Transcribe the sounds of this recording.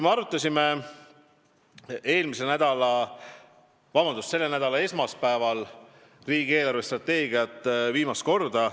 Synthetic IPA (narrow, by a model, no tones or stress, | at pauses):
meɑɾut̪ˑːɑsʲime | e̞ːlmisenæd̪̥ɑlɑ | vɑbɑnd̪ust̪se̞lːe̞næd̪̥ɑlɑe̞smɑspæevɑl | riːɡie̞ːlɑrvest̪rɑt̪ːe̞ːɡiɑt̪ːˑviːmɑst̪ko̞rd̪ɑ